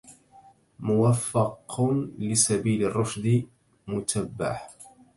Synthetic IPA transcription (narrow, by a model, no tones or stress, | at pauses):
mʊwafːɑqlɪsabiːlɪrˤːʊfd̪ɪ | mʊt̪abːa̰ħ